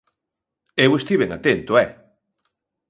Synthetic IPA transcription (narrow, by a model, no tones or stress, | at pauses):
ewest̪iβeŋat̪ent̪oɛ